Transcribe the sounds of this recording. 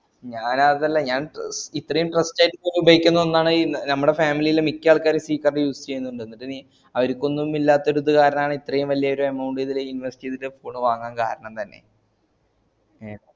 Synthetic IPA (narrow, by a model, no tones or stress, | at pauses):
ɲaːnaɐðɐlːɐɲaːnit̪ːrɐjumʈrɐstːaːjiʈːɨpoːjumbʱɐjikʲːunːɐonːaːɳɨnɐmːuɽe̞faːmilijilemikʲːaːɭkaːɾesiːkːɐrɖejuːst͡ɕejːunːuɳɖɨenːiʈːɨni | ɐʋɐɾukʲːo̞nːumilːaːt̪ːo̞ɾuðɨkaːɾɐɳɐmaːɳɨit̪rɐjumʋɐlːijɐoɾuemɐwɳɖiðileiniʋɐsi̥tiðiefoːɳɨʋaːŋːaːnka̰ːɾɐɳɐmt̪ɐnːe̞̰ | eː